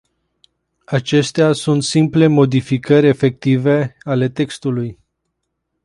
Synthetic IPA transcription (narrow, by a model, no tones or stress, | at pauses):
at͡ʃe̞st̪easunt̪simple̞mo̞d̪ifikəɾʲe̞fe̞k̚t̪ive̞ale̞t̪e̞kst̪uluj